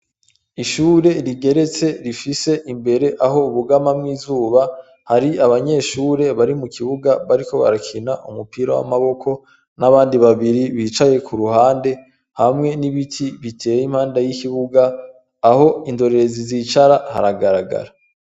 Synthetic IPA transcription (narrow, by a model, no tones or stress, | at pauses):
iʃuːɾe̞ɾiɡe̞ɾe̞t͡se̞ɾifise̞ʔimbe̞ɾe̞ʔaɦo̞uβuɡamamŋiːzuːβa | haɾiaβaɲe̞ːʃuːɾe̞βaɾimukiβuɡaβaɾiko̞βa̰ɾakʰinaʔumupiɾawa̰maβo̞kʰo̞ | naβaːndiβaβiɾiβiːt͡ʃaje̞kuɾuhaːnde̞ | hamŋe̞niβitʰiβitʰe̞ːjim̥haːndajikiβuɡaː | ho̞indo̞ɾeezizit͡ʃaɾaha̰ɾaɡaɾaɡa̰ɾa